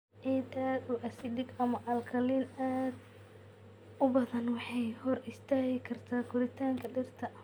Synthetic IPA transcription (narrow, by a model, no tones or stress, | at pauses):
ʕid̪aːd̪uʔɐsɪɖɪɡɐmɐʔɐlkʰɐliːnaːd̪ | ʊbɐðɐnwɑħɑjhɔrɪst̪ʰaːɣɪkʰɐrt̪ʰaːɡʊɾɪt̪ʰaːŋkʰɐɖɪrt̪ʰɐ